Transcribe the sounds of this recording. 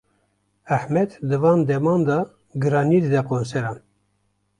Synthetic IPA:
æħmɛd̪d̪ɨvɑːnd̪ɛmɑːnd̪ɑː | ɡɨɾɑːniːd̪ɨd̪ɛqonsɛɾɑːn

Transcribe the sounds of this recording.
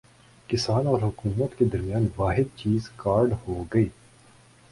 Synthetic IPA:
kɪsaːnɔːɾɦʊkuːmət̪ked̪ɐɾmjaːnʋaːɦɪd̪̚t͡ʃiːzkaːɾɖhoɡɐiː

